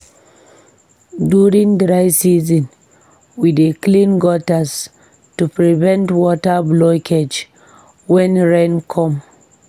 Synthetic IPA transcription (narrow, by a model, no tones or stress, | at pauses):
duɹĩŋdɹajsizɔ̃n | wideklĩnɡɔtas | tupɹivɛ̃ntwɔtablɔkʰed͡ʒ | wɛ̃nɹɛ̃nkʰɔ̃m